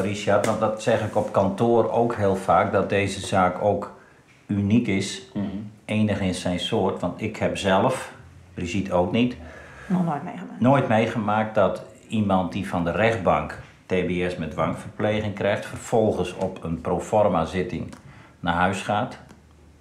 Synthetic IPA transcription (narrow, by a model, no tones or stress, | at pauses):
risartʋɑndɔtsɛxɪkɔpkɔntoəro̰ːkɦɪːəlˠfaːk̚dɔt̚dejzəzaːkʰoːk | ynikɪs | eːnəxɪnsɛjnsoərtʋɑntɪkhɛpzɛlˠəfbrizitʰoːknitnonoːjtmejɣəmaːk̚t̚dɔt | imɑnt̚difɔndərɛχd̚baŋk | teːbeɛsmɛdʋaŋfərpleːɣɪŋkrɛjχtfərfɔlˠɣəsɔpʰənproːfɔrmazɪtɪŋ | naɦœɥsχaːt